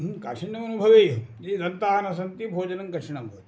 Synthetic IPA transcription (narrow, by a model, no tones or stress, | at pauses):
kaːʂɐɳjɐmɐnubʱɐʋeːjd͡ʒeidɐnt̪aːnɐs̬ɐnt̪ibʱoːd͡ʒɐnɐŋkɐɾʂɐɳɐmboːt̪